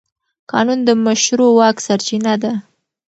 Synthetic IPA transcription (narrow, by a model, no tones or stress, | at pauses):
kɑnund̪əmaʃɾowɑksaɾt͡ʃinad̪a